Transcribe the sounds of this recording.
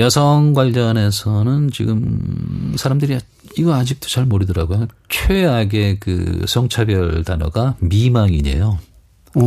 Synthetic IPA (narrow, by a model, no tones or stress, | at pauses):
jʌsʰʌŋɡwaʎd͡ʑʌne̞sʰʌnɯnt͡ɕiɡɯm | sʰaɾamdɯɾia | iɡʌad͡ʑik̚t͈o̥t͡ɕaɭmʌɾidʌɾaɡojot͡ɕʰeaɡe̞kɯ̰sʰʌŋt͡ɕʰabjʌɭdanʌ̰ɡamimaŋiɲḛjo